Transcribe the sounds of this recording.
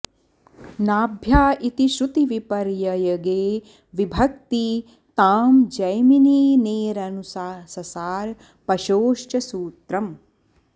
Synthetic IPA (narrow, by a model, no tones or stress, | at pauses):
naːbʱjaːʔit̪iʃɾut̪iʋipɐɾjɐjɐɡeː | ʋibʱɐk̚t̪i | t̪aːmd͡ʒɐjminiːneːɾɐnusaːsɐsaːɾ | pɐʃoːʃt͡ʃɐsuːt̪ɾɐm